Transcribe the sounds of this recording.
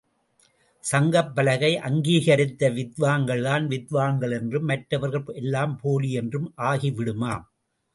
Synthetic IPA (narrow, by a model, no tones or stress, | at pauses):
sɐŋɡɐpːɐlɐɣɐɪʔɐŋɡiːɣɐɾɪt̪ːɐʋɪðʋaːŋɡɐɭðaːnʋɪðʋaːŋɡɐɭɛndrɯmːɐʈɾɐʋɐɾɣɐɭɛlːaːmpoːliɛndrɯmʔaːɣiʋɪɽɯmaːm